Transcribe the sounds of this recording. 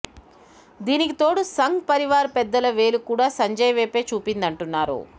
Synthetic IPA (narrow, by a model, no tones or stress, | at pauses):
d̪iːnikit̪o̞ːɽusɐŋɡpɐɾiʋaːɾpɛd̪ːɐlɐʋe̞ːlukuːɽaːsɐɲd͡ʒɐjɐʋeːpe̞ːt͡ʃuːpind̪ɐɳʈunːaːɾṵ